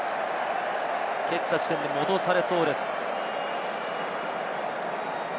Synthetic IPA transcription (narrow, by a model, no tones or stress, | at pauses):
kekt̪ːat͡ɕi̥t̪ẽnd̪imo̞d̪o̞saɾe̞so̞ːd̪e̞sɨ̥